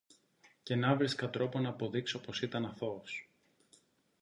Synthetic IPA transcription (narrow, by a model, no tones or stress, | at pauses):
ce̞nɐvɾiskɐt̪ɾo̞po̞nɐːpo̞ðikso̞po̞sit̪ɐnɐθo̞s